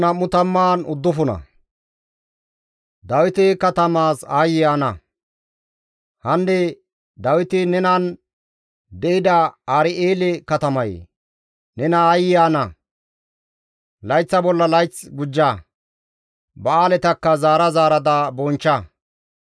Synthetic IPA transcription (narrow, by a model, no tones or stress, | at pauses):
nɐmːʊt̪ɐmːaːnʊd̪ːʊfʊnɐ̰ | d̪ɐwɪt̪ɪkɐt̪ɐmaːsaːjɪjaːnɐ̰ | hɐnːɛ | d̪ɐwɪt̪ɪnɛnɐn | d̪ɛʔɪd̪ɐaːɾɪeːlɛkɐt̪ɐmɐjḛː | nɛnɐaːjɪjaːnɐ | lɐjt͡sːɐbɔlːɐlɐjt͡sɡʊd͡ʒːa | bɐaːlɛt̪ɐkːɐzaːɾɐzaːɾɐd̪abɔnt͡ʃːɐ